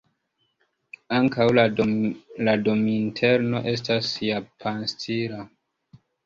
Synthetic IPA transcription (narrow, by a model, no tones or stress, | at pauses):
aŋkaw | lado̞mintʰe̞ɾno̞ʔe̞s̬tasjapʰanstʰiɾa